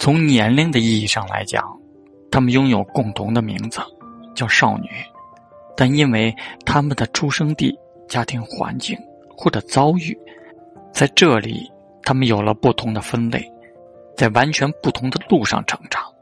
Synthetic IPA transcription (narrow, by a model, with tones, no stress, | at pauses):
t͡sʰʊ˧˥ŋnjɛ˧˥nli˥ŋd̪ə˨i˥˧i˥˩ʂɑ˥˩ŋla̰˧˥ɪt͡ɕjɑ̰˨˩˦ŋ | t̪ʰa˥mə˨njʊ˥ŋjo˨˩ʊkʊ˥˩ŋt̪ʰʊ˧˥ŋd̪ə˧mḭ˧˥ŋd͡z̩˧t͡ɕjɑ˥˧ʊʂɑ˥˩ʊny̰˨˩˦ | t̪a˥˩ni˥nwe˥˩ɪt̪ʰa˥mə˨nd̪ə˩ʈ͡ʂʰu˥ʂɤ˥ŋt̪i˥˩ | t͡ɕja˥t̪ʰi˧˥ŋxwa̰˧˥nt͡ɕi˥˩ŋ | xwɔ˥˩ʈ͡ʂɤ˨˩t͡sɑ˥ʊy˥˩ | t͡sa˥˧ɪʈ͡ʂɤ˥˩lḭ˨˩ | t̪ʰa˥mə˨njo˨˩ʊlə˦pu˥˩t̪ʰʊ˧˥ŋd̪ə˧fə˥nle˥˩ɪ | t͡sa˥˩ɪwa˧˥nt͡ɕʰɥɛ˧˥npu˥˩t̪ʰʊ˧˥ŋd̪ə˧lu˥˧ʂɑ̰˥˩ŋʈ͡ʂʰɤ̥˧˥ŋʈ͡ʂɑ̥˨˩˥ŋ